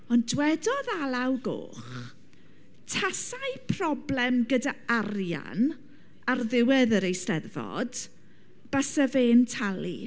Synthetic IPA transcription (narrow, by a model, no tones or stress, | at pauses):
ɔndwɛdɔðalˠawɡo̰ːχ | tʰasajpʰr̥ɔblɛmɡədaaɾja̰n | arðɪwɛðəɾejstɛðvɔ̰d̥ | b̥asəveːntʰalˠḭ